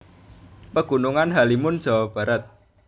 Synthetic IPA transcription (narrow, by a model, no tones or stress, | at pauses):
pəɡ̥ṳnuŋanɦalimʊn̥d͡ʒ̥a̤wab̥ä̤ɾət̪̚